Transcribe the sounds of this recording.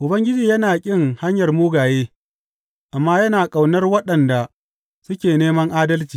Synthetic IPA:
ʔʊ˨bɐ˦ŋɡʲɪ˦d͡ʒiː˨jɐ˦naː˨kʲʼɪ˦ŋha˦ɲjɐ˨rmuː˦ɡaː˨jeː˦ | ʔa˨mːaː˦jɐ˦naː˨kʼa˨wnɐ˦rwɐ˦ɗɐ˨nda˨ | sʊ˦kʲeː˨neː˦mɐ˦ŋʔaː˦dɐ˦lt͡ʃiː˨

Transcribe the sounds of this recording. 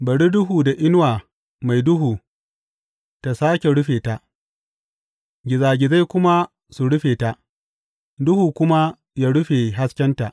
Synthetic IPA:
bɐ˨ɽi˦dʊ˦ɦuː˨da˨ʔɪ˦n˦waː˨ | ma˨jdʊ˦ɦuː˨ | ta˨saː˦kʲe˨ɽʊ˦ɸeː˨ta˨ʔ | ɡʲɪ˨zaː˨ɡʲɪ˨za˦jkʷʊ˦ma˦ | su˨ɽʊ˦ɸeː˨ta˨ʔ | dʊ˦huː˨kʷʊ˦ma˦ | jaː˦ɽʊ˦ɸeː˨ɦa˦skʲɛ˦nta˨ʔ

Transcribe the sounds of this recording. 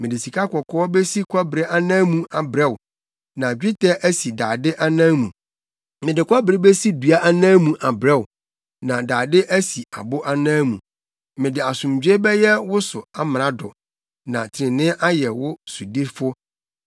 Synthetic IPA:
mɪ̃˨dɪ˨si˨kʰa˦kʰɔ˨kʰɔ˦ɔ˦bɛ˦si˦kʰʷa˦bɾe˦ʔa˦nã˦mũ˦a˨bɾɛ˦wʊ˨ | nã˨d͡ʑᶣɪ˦tʰɛ˦ʔæ˦si˨daː˨dɪ˦ʔa˦nãː˦mũ˨ | mɪ̃˨dɪ˨kʷa˦bɾe˦be˦si˦du˨a˦ʔa˦nãː˦mũ˨ʔa˨bɾɛ˦wʊ˨ | nã˨daː˨dɪ˦ʔæ˦si˨a̰˨bʊ˦ʔa˦nãː˦mũ˨ | mɪ̃˨dɪ˨a˨sʊ̃˨m˨d͡ʑᶣe˦bɛ˦jɛ˦wʊ˦sʊ˨a˦m˨ɾã˨dɔ̰˨ | nã˨tʰɪ˨ɪ̃˨nɪ̃˦ʔa˦jɛ˨wʊ˦su˨di˦fʊ˦

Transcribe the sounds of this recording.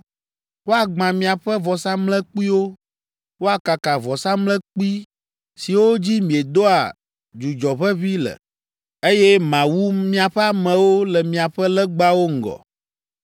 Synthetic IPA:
wo˦a˨ɡ͡bã˨mĩ˨a˨ɸɛ˦vɔ˨sa˦mlɛ˦k͡pi˦wo˦ | wo˦a˨ka˨ka˨vɔ˨sa˦mlɛ̃˦k͡pi˦ | si˨wo˦d͡ʑi˦mĩ˨e˨d̪o˦a˨ | d͡ʒu˨d͡ʒɔ˨ɸɛ˦βi˦lɛ̰˨ | e˦jɛ˦mã˨wu˦mĩ˦a˨ɸɛ˦a˦mɛ̃˨wo˦lɛ˨mĩ˨a˨ɸɛ˦lɛ˦ɡ͡ba˦wo˦ŋ̩˨ɡɔ̰˨

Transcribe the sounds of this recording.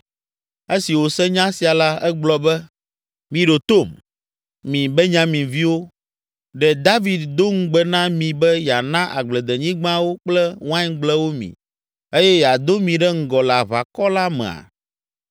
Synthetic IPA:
e˦si˨wo˨sɛ̃˦ɲã˦si˨a˨la˦ɛ˦ɡ͡blɔ˨bɛ˦ | mĩ˨ɖo˨t̪o˦˨m | mĩ˨bɛ˦ɲã˦mĩ˨vi˦wo˦ | ɖɛ˨d̪a˦vi˨d̪d̪o˦ŋ̩˦ɡ͡bɛ˦nã˦mĩ˨bɛ˦ja˨nã˦ʔa˨ɡ͡blɛ˨d̪ɛ˨ɲĩ˦ɡ͡bã˦wo˦k͡plɛ˦wã˦ɲɡ͡blɛ˦wo˦mḭ̃˨ | e˦jɛ˦ja˨d̪o˦mĩ˨ɖɛ˦ŋ̩˦ɡɔ˨la˨βa̰˨kɔ˦la˦mɛ̰̃˨a̰˨

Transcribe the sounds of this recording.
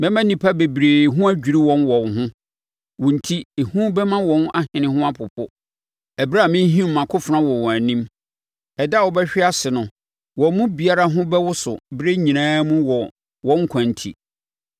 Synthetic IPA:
mɛ̃˦mã˦nĩ˨pʰa˦be˨bɾeː˨ɦʊ̃˦æ˦d͡ʑᶣi˨ɾi˦wɔ̃˦nwɔ̃˨nɦʊ̃˦ | wɔ̃˨n̩˨tʰi˦e˨hũ˦bɛ˦mã˦wɔ̃˨˦na˦hɪ̃˨nɪ̃˦hʊ̃˦a˦pʰʊ˨pʰʊ˦ | ɛ˨bɾa˦˨mɪ̃˦ɦĩ˦m̩˨mã˨kʰʊ˦fɾã˦wɔ˨wɔ̃˨æ˨nĩ˦m | ɛ˨da˦˨wɔ˨bɛ˦ɕᶣɪ˦a˦sɪ˨nʊ̃˨ | wɔ̃˨˦mũ˦bi˨a˦ɾa˦ɦʊ̃˦bɛ˦wʊ˦sʊ̰˨bɾe˦ɲĩ˨nãː˦mũ˦wɔ˨ | wɔ̃˦ŋ˦kʷʰã˨n˨tʰḭ˨

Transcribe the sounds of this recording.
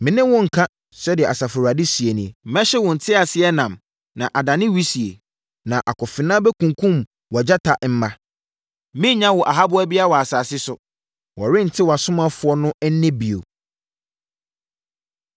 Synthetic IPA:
mɪ̃˨nɪ̃˦wʊ̃˦ŋ̩˨kʰã˦ | sɛ˦dɪ˨ɛ˨a˨sa˨fʊ˨ɾa˨dɪ˦si˨e˨nĩ˨mɛ̃˦ɕɪ˦wʊ̃˨n̩˨tʰɪ˦a˨sɪ˦ɛ˦nã˨m | nã˨ʔa˨dã˨nɪ̃˦wi˦si˨e˨ | nã˨ʔa̰˨kɔ˨fɪ˨nã˦bɛ˦kʰũ˨ŋkʰũ˦˨m | wɔ˨d͡ʑa˦tʰa˨ʔm̩˦mã˦ | mɪ̃˦ɲã˦wɔ˨ʔa˨ɦa˦bʊ˦æ˦bi˦a˦wɔ˨a˨saː˨sɪ˦sʊ˨ | wɔ˨ɾɪ̃˦n̩˨tʰɪ˦wɔ˨a˨sʊ̃˦mã˦fʊ˨˦ɔ˦nʊ̃˦ɛ˦n̩ː˦ɪ̃˦bi˨o̰˨

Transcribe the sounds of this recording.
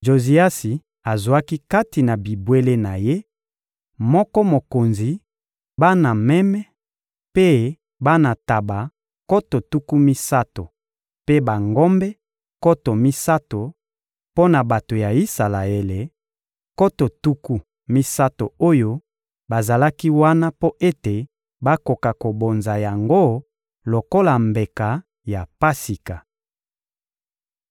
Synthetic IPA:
ʒo˨zi˨a˦si˨ | a˨zwa˦ki˦ka˦ti˨na˨bi˨bwe˦le˦na˨je˦ | mɔ˦kɔ˦mo˨ko˨nzi˨ | ba˦na˨mɛ˦mɛ˦ | pe˦ | ba˦na˨ta˨ba˨ | ko˦to˨tu˦ku˦mi˦sa˦to˨ | pe˦ba˨ŋɡo˦mbɛ˦ | ko˦to˨mi˦sa˦to˨ | po˦na˨ba˨to˨ja˨i˦sa˨la˨e˨le˨ | ko˦to˨tu˦ku˦ | mi˦sa˦to˨o˦jo˦ | ba˨za˨la˦ki˦wa˦na˦po˦ʔe˦te˨ | ba˦ko˨ka˨ko˨bo˨nza˨ja˨ŋɡo˦ | lo˨ko˦la˨mbe˨ka˨ | ja˨pa˦si˨ka˨

